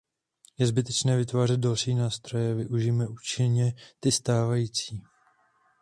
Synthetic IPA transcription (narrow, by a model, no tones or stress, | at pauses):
jɛzbɪt̪ɛt͡ʃnɛːvɪt̪vaːr̝ɛd̪̚dalʃiːnaːst̪ɾo̞jɛvɪʔuʒijmɛʔuːt͡ʃɪnɲɛt̪ɪst̪aːvajiːt͡siː